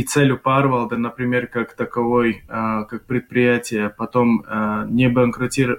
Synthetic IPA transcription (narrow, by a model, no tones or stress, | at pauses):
t̪sɛlʲʊparvɐlˠd̪ənəpɾʲɪmʲerkakt̪ɐkɐvojkak̚pɾʲɪt̪̚pɾʲɪjætʲɪjəpɐt̪o̞mnʲɪbəɐŋkɾɐtʲiɾə